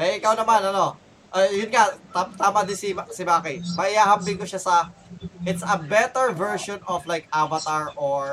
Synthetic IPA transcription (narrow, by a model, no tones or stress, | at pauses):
ʔɛʔɪkawnɐmanɐno̞ | ʔɐjʊnŋat̪at̪aːmɐd̪ɪnsɪmasɪbaːkɪmɐʔɪhaːɦɐmpːɪŋkoʃasɐʔɪt̪sɐbɛt̪ɛɹvɛɹʃonɔflajkʔavɐt̪aɹʔoɹ